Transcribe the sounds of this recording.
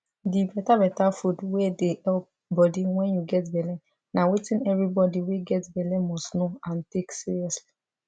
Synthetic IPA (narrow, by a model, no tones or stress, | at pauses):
dibɛtabɛtafudwɛdeɛlp̚ | bɔdiwɛ̃njuɡɛtbɛlɛ̃ | nawetĩnɛvɹibɔdiweɡɛtbɛlɛmɔstnoãnteksiɹiɔsli̥